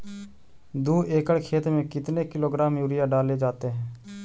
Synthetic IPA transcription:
d̪uːʔeːkəɽkʰeːt̪ɾmẽkɪt̪nekɪloːɡɾaːmjuːɾɪjaɖaːled͡ʒaːt̪eɦɛ̃ː

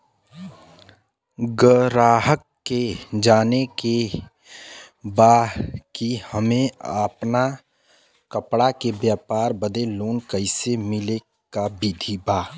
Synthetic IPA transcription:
ɡəɾaːɦəkː | ed͡ʒaːneke | baːkihəmẽəpna | kəpɽakebjaːpaːɾbəd̪eloːnkəɪsemɪle | kabid̪ʱibaː

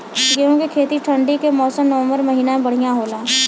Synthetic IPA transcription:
ɡeɦõkekʰeːt̪iʈʰə̃ɳɖikemɔːsəmnɐʋə̃mbəɾmɐɦiːnaẽbɐɽ̤ijãɦoːlaː

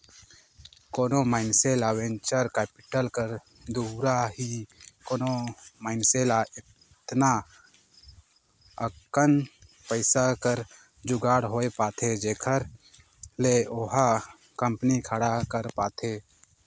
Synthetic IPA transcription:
koːnomaːɪnseːlawẽɲt͡ʃəɾkɛːpɪʈəlkəɾ | d̪uːɾaɦikoːnomaːɪnseːlaɪ | t̪na | əkkən | pəɪsakəɾ | d͡ʒʊɡaːɽɦoːepaːt̪ʰed͡ʒeːkʰəɾ | leoɦa | kəmpnikʰəɽakəɾpaːt̪ʰeː

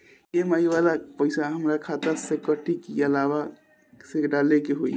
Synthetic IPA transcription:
jemaiʋalapəɪsaɦəmɾakʰat̪əsekəʈikiəlaβa | seɖalekeɦoi

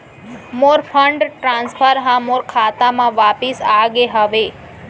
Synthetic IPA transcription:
moːɾpʰəɳɖʈɾãːnspʰəɾɦãmoːɾkʰaːt̪amãʋaːpisaːɡeɦəʋe

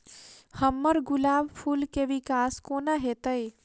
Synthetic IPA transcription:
həmːəɾɡulaːbpʰulkeʋikaskoːnaɦet̪əj

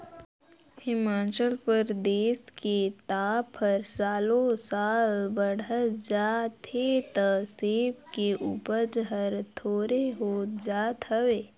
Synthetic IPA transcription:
hɪmaːt͡ʃəlpəɾd̪eːsket̪aːpʰːəɾsaːlõsaːlbəɽ̤əd͡ʒaːt̪ʰet̪əseːpkeʔuːpəɾd͡ʒɦəɾt̪ʰoːɾeɦoːt̪d͡ʒaːt̪əʋeː

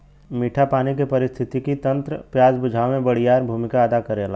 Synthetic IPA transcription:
miːʈʰapaːnikepɐɾɪst̪ʰɪt̪ikit̪ɐ̃nt̪ɾəpjaːd͡ʒbʊd͡ʒʱaːʋmẽbɐɽ̤ijaːɾbʱuːmɪkaɐd̪akɐɾeːla̰ː

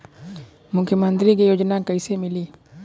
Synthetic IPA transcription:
mʊkʰjəmə̃nt̪ɾikejoːd͡ʒnakəɪsemɪliː

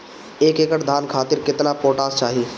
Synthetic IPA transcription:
eːkeːkəʈd̪ʱaːnkʰaːt̪ɪɾkɪt̪napoːʈaːst͡ʃaːɦiː

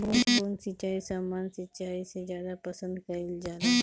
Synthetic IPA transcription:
bɾunbɾuːnsɪt͡ʃaːisaːmaːnsɪt͡ʃaːisezjaːd̪apɐsə̃nd̪kaɪld͡ʒaːla

